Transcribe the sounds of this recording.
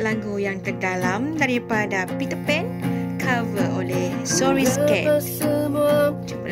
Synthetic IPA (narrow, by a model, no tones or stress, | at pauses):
laŋɡujaŋt̪ərdalamdaɾipadapit̪əpɛnkʰavəʔolɛhsɔɾiskɛ | d͡ʒupə